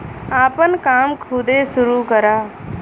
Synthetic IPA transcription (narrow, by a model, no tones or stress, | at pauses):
aːpənkaːmkʰuːd̪eːsʊɾukəɾaː